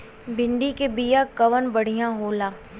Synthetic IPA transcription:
bʱɪ̃ɳɖikebijakɐʋənbɐɽ̤ijãɦoːlaː

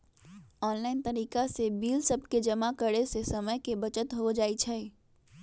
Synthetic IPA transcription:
ɔːnlaːɪnt̪əɾiːkasebiːlsəbʱked͡ʒəmakəɽesesəməjkebət͡ʃət̪ɦod͡ʒaːit͡ʃʰɛ

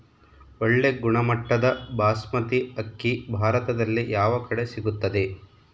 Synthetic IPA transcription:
oɭːe̞ɡuɳɐmɐʈːɐd̪ɐbʱaːsmɐt̪iɐkːibʱaːɾɐt̪ɐd̪ɐlːijaːʋɐkɐɽe̞siɡut̪ːɐd̪e̞

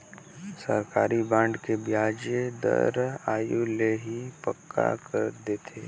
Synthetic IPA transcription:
sə̰ɾkaːɾibãːɳɖkebjaːd͡ʒed̪ə̰ɾaːjuleɦipəkːa̰kəɾd̪eːt̪ʰeː

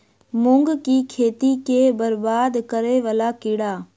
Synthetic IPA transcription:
mʊŋɡkiːkʰeːt̪ikeːbəɾbaːd̪kəɾeʋəlaːkiːɽaː

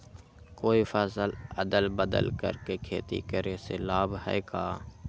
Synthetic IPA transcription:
koːifɛːsələd̪əlbəd̪ə̰lkə̰ɾkekʰeːt̪ḭkəɾeselaːbhɛ̰kaː

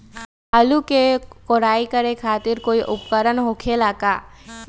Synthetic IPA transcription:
ɦəlukekoːɽaːikəɾekʰaːt̪ɪɾkoːiʔʊpkəɾənɦoːkʰelaːkaː

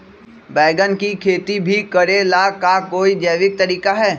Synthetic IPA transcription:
bɛːɡənkikʰeːt̪ibʱikəɾelakakoːid͡ʒəːʋɪk̚t̪ɐɾiːkaɦɛː

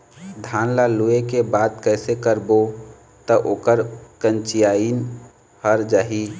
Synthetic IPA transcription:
d̪ʱaːnlaluekebaːd̪kɛːsekəɾbo | t̪əʔoːkəɾkə̃nt͡ʃijaːin | həɾd͡ʒaːɦi

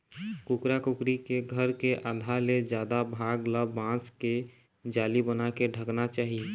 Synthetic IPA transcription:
kʊkɾakʊkɾikeɡʱəɾkeʔad̪ʱaled͡ʒjaːd̪abʱaːɡləbãːske | d͡ʒaːlibənakeɖʱəknat͡ʃaːɦie

